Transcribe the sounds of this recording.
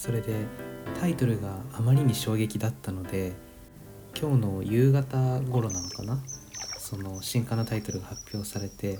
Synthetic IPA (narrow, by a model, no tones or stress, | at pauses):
so̞ɾe̞d̪e̞t̪ʰait̪o̞ɾɯ̟ɡaːmaɾʲiɲ̟iɕo̞ːɡe̞kʲid̪at̪ːano̞d̪e̞ | kʲo̞ːno̞jɯ̟ːɡat̪aɡo̞ɾo̞nanokanaso̞no̞ɕĩŋkanot̪ait̪o̞ɾɯ̟ɡahapʲjo̞ːsaɾe̞t̪e̞